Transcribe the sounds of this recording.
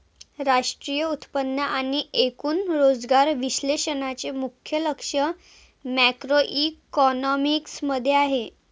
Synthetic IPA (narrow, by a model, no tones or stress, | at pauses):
ɾaʂʈɾijəut̪pənːəʔaɽ̃iʔekuːnɾod͡zɡaɾʋiɕleɕənat͡ɕemukʰjələkʂə | mækɾoʔikɔnɔmiksməd̪ʱːjeaɦe